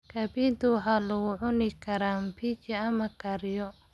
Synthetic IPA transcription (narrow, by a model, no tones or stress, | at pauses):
kʰɐbiːnt̪ʰʊwɑħaːlʊɣʊʕʊnɪkʰɐɾaːmpʰit͡ʃiɐmɐkʰɐɾjɔ